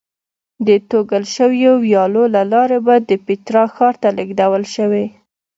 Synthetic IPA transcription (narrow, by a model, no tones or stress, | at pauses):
d̪ət̪oɡəlʃəwjowjɑlolalɑɾebad̪əpɪt̪ɾɑxɑɾt̪alɪɡd̪awəlʃəwe